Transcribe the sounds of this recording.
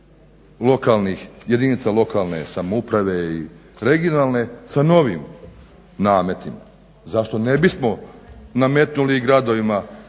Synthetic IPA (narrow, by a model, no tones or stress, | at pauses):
lo̞kalˠnixje̞d̪init̪salo̞kalˠne̞̰samupɾaʋe̞iɾe̞ɡijonalˠne̞sano̞ʋim | naːme̞t̪ima̰ | zaʃt̪o̞nebismo̞name̞t̪nuliːɡɾad̪o̞ʋima